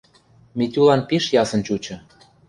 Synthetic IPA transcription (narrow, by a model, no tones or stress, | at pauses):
mit̪ʲulɑnpiʃjɑsə̆nt͡ɕut͡ɕɤ̆